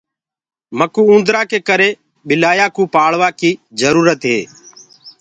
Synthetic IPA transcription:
məkuːũːnd̪ɾaːkeːkəɾeː | ɓɪlaːjaːkũːpaːɭʋaːkiːzəɾuːɾət̪ɦeː

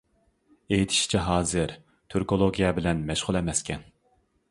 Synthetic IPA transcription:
ejt̪ʰi̥ʃi̥t͡ʃʰiɦɑːzɨɾ | t̪ʰøɾkolˠoɡʲijɛbɪlɛnmɛʃʁʊlˠɛmɛskʲʰɛn

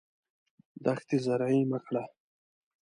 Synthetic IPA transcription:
d̪axt̪izaɾʕiməkɽa

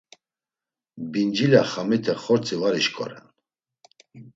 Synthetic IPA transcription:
bind͡ʒilaχamit̪ʰɛχɔɾt͡sʼivaɾiʃkʰʼɔ̰ɾɛ̰n

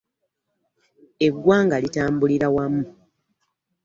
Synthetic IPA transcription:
e̞ɡwaːŋɡalitaːmbuliɾawamːu

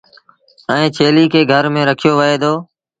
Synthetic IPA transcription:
ɛ̃ːt͡ʃʰeːliːkeːɡʱəɾmẽːɾəkʰɪjoːʋəeːd̪oː

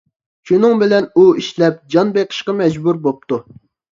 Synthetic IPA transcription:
ʃunɨŋbɪlɛnuiʃlɛp̚d͡ʒɑnbeqʰə̥ʃqɑmɛd͡ʒbuɾbop̚t̪u

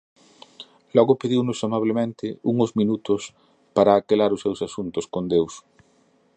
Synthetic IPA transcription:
lɔɣʊpeðiwnʊsamaβ̞lemẽnt̪ɪuŋozmĩnut̪ʊs | paɾaːkelaɾʊsːewsasunt̪ʊskond̪ews

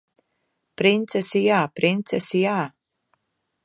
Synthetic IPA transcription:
pɾint̪sɛsijaːpɾint̪sɛsijaː

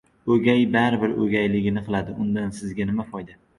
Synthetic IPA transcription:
ɵɡʲajbaɾɪbɪɾɵɡʲajlɪɡʲɪnɪqʰɨlˠad̪ɪʊnd̪ansɪzɡʲanɪmafɒjd̪a

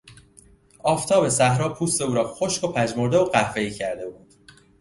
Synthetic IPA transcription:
ɒːft̪ʰɒːbe̞sæhɾɒːpʰuːst̪e̞uːɾɒːxoʃko̞pʰæd͡ʒmoɾd̪eoɢæhve̞iːcʰæɾd̪e̞buːd̪̥

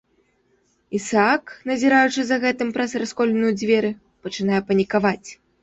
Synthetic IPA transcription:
isaknɐzʲiɾajut͡ʂɨzɐɣɛt̪ɨmpɾɐsraskɔlʲɪnujud͡zʲvʲɛɾɨ | pɐt͡ʂɨnajɛpɐnʲikavat͡sʲ

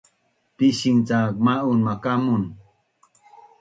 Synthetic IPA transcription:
piʃiŋt͡sak̚maʔunmakamʊn

